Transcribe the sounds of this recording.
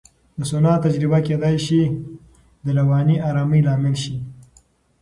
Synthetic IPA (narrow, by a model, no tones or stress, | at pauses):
d̪əsʊnɑt̪ad͡ʒɾɪbaked̪ajʃi | d̪əlawɑːniʔɑɾɑːməjlɑːmɪlʃi